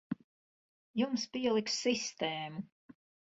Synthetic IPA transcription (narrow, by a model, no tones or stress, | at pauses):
jumspiɛlˠikssist̪eːmu